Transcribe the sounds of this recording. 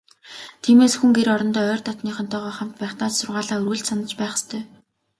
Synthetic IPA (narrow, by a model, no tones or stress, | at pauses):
t̪ʰiːmeːsxuŋɡeɾɔɾɞ̆nt̪ɔːœːrt̪ɔt̪niːχə̆nt̪ʰɔːʁɔːχam̥t̪pæːχt̪aːt͡ɕsʊrʁaːɮaːɵrɣɘ̆ɮt͡ɕsanə̆t͡ɕpæːχə̥̆st̪ʰœː